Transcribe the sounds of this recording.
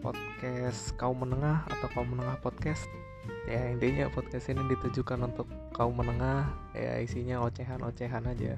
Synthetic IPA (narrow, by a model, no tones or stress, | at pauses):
pɔ̰t̪̚kɛskaumənəŋaha̰t̪awkaumənəŋahpɔt̪̚kɛs | jaint̪iɲa̰pɔt̪̚kɛst̪inidit̪ud͡ʒukanunt̪ʊkːaumənəŋahja̰isiɲaot͡ʃeɦano̰t͡ʃeɦanad͡ʒa̰